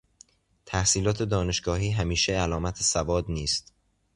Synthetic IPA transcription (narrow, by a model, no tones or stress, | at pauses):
t̪ʰæhsiːlɒːt̪ʰe̞d̪ɒːne̞ʃɡ̥ɒːɦiːɦæmiːʃeælɒːmæt̪ʰesævɒːd̪niːst̪